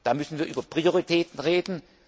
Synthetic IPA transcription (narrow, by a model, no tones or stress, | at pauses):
d̥aːmʏsn̩viːɐʔy̰ːbɐpʁ̥ioʁitʰɛːtn̩ʁeːdn̩